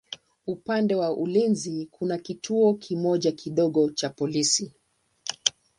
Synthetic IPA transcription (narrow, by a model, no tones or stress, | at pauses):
upandɛwaʔulinzikʰunakitʰuɔkʰimɔʄakʰiɗɔɠɔt͡ʃapɔlisi